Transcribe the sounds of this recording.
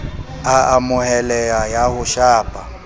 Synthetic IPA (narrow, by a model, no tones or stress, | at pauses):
aamʊhɛlɛajahʊʃaːpʼa